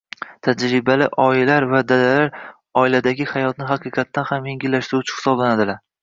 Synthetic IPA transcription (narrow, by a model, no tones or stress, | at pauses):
t̪ʰad͡ʒɾɪbalɪʔɒɪlaɾvad̪adalaɾ | ɒɪlad̪aɡʲɪhajɒt̪nɪɦaqʰɨqʰɑt̪ʰːanhamjeŋɡʲɪlːaʃt̪ɪɾuʊt͡ʃʰɪ̥hɪ̥sɒblanad̪ɪlaɾ